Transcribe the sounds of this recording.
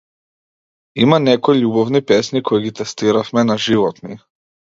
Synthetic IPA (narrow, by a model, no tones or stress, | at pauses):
imanɛkɔjʎubɔvnipɛsnikʰɔiɡit̪ɛst̪iɾafmɛnaʒivɔt̪ni